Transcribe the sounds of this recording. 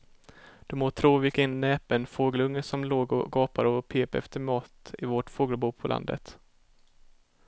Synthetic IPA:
d̪̥ɵmoːt̪ʰɾoːvɪkɪnːnɛːpɛnfoːɡəlɵŋːəʂɔmloːɡɔ̰ɡɑːpad̪ɔpʰeːpɛ̰ft̪əɾmɑːt̪ɪvɔʈfoːɡəlbuːpʰɔlʔa̰nd̪ə̰t̪

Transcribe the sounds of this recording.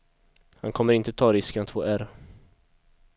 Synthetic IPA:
ha̰nkʰɔmːəɾɪnt̪ət̪ʰɑːɾɪskənat̪foːæɾ

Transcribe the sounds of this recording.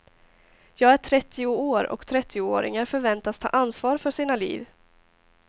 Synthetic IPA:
jɑːɡæʈʰɾɛt̪ʰːɪʊoːɾɔ̰kt̪ʰɾɛt̪ʰːɪʊoːɾɪ̰ŋaɾfœɾvɛnt̪ast̪ʰɑ̰ːʔansvɑːɾfœʂiːnalḭːv

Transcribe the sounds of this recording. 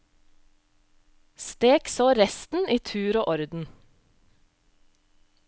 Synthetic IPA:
st̪eːksoːɾɛst̪n̩iːt̪ʰʉːɾoːʔɔɾd̪n̩

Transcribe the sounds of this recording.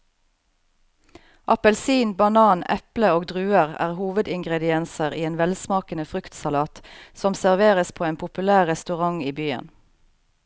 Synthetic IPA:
ʔɑpəlsiːnbɑnɑːnɛ̰pləoːɡd̪ʁʉːəʁæ̰ːʁhuːʋəd̪ɪŋɡʁɛd̪ɪɛnsəʁiːeːnʋɛlsmɑːkənəfʁʉkt̪sɑlɑːt̪sɔmsæʁʋeːʁəspʰoːeːnpʰʊpʉlæːʁʁɛst̪ʉʁɑŋiːbyːə̰n

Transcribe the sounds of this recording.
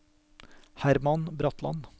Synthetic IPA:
hæɾmɑnbɾɔt̪ʰlɑ̰n

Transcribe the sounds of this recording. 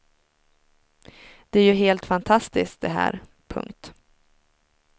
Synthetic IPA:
d̪̥ɛæɾjɵɦeːlt̪fant̪ʰast̪ɪsk̚d̪ɛɦæ̰ːɾ | pʰɵ̰ŋkt̪

